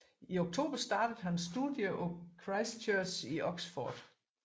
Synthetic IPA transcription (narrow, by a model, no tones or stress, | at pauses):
ioɡ̥̚t͡sʰo̝̰ːb̥ɐsd̥ɑ̈ːd̥əð̩ˠɦænsd̥uðˠjəʔɔkʰʁɑ̈ɪst͡ɕʰøsiʔɒ̽ɡ̥sfɒ̰ːd̥